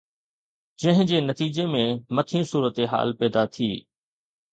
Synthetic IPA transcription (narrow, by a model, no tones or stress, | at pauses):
d͡ʑɐ̃ɦɪ̃d͡ʑeːnɐt̪iːd͡ʑemẽmɐt̪ʰĩsuːɾət̪eɦa̰ːlpɛːd̪at̪ʰiː